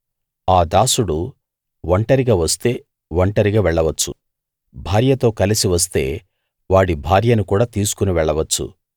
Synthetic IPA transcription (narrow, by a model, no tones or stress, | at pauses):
aːd̪aːsuɽu | ʋɐɳʈɐɾiɡaːʋɐst̪e̞ː | ʋɐɳʈɐɾiɡaːʋɛɭːɐʋɐt͡ʃːu | bʱaːɾjɐt̪o̞ːkɐlisiʋɐs̬t̪e̞̰ː | ʋaːɽibʱaːɾjɐnukuːɽaːt̪iːsu̥kuniʋɛɭːɐʋɐt͡ʃːṵ